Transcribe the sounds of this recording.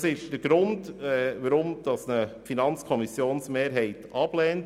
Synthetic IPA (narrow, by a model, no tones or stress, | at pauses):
sɪʃd̥əɾɡ̥ɾʊndɛʋəɾʊmd̥ɑsnəfinɑnt͡skʰɔmɪsjoːnsmeːɾɦɛɪtɑb̥lɛːnt